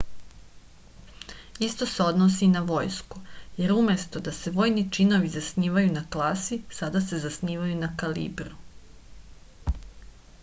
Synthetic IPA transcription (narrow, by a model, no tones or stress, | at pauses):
ist̪o̞se̞o̞d̪nos̬inaʋo̞jskuje̞ɾumje̞st̪o̞d̪ase̞ʋo̞ːjnit͡ʃino̞ʋizasniːʋajunaklˠaːsisad̪ase̞zasniːʋajunakalḭːbɾu